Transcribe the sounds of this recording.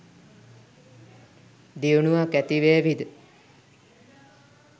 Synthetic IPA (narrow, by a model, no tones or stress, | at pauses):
d̪iunuakæt̪iʋeːʋid̪ə